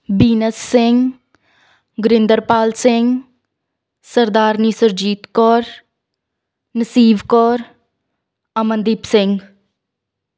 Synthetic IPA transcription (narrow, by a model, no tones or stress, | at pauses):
biːnəsːɪŋɡ | ɡɾɪnd̪əɾpaːlsɪŋɡ | səɾd̪aːɾnisəɾd͡ʒiːt̪kɔːɾ | nəsiːbkɔːɾ | ɐmənd̪iːpsɪ̃ŋɡ